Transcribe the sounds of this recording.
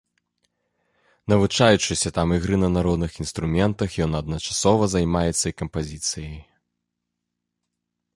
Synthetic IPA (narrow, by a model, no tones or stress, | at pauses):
nɐvut͡ʂajut͡ʂɨsʲɐt̪amiɣɾɨnɐnaɾɔd̪nɨxinst̪ɾumʲɛnt̪ɐxjɔnɐd̪̚nɐt͡ʂḁsɔvɐzajmajɛt̪sːɐikɐmpazʲit̪sɨjɐj